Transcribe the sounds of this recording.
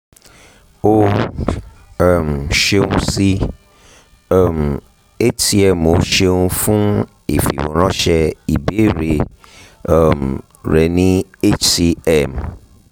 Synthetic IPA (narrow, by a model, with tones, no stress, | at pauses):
o˦˨ | mʃe˧ŋũ˦si˦ | m | e˦t͡ʃi˨ɛ˦mo˦ʃe˦ŋũ˦fũ˦ | ḛ˨fḭ˨wṵ̃˨ɾ̃ɔ̃˦ʃɛ˦i˨be˦ɾe˨˦˨ | m | ɾe˨nĩ˦e˦t͡ʃi˨ɛ˦m